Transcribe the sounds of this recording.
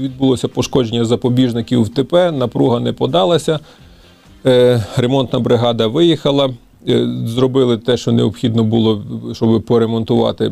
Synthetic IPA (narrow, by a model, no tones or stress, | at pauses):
ʋʲid̪̚bʊlˠɔsʲɐpɔʃkɔd͡ʒenʲːɐzɐpɔbʲiʒnɪkʲiwwt̪epɛnɐpɾuɦɐnɛpɔd̪ɑlˠɐsʲɐ | ɾemɔnt̪nɐbɾɪɦɑd̪ɐʋɪjixɐlˠɐ | zrɔbɪlˠɪt̪ɛʃt͡ʃɔneɔpxʲid̪nɔbʊlˠɔʃt͡ʃɔbɪpɔɾemɔnt̪ʊʋɑ̰t̪ɪ̰